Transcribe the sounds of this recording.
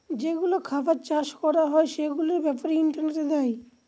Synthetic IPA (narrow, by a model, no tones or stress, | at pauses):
d͡ʑeɡulokʰabat͡ʃaʃkɔɾaɦɔeʃeɡuleɾbɛpaɾiiɳʈaɾneʈed̪ai